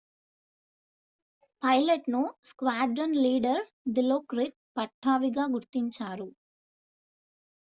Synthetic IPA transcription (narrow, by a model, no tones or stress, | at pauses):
pɐjlɐʈnuskʋaːɖɾɐnliːɖɐɾ | d̪iloːkɾik̚ | pɐʈʰːaːʋiɡaːɡuɾt̪iɲt͡ʃaːɾu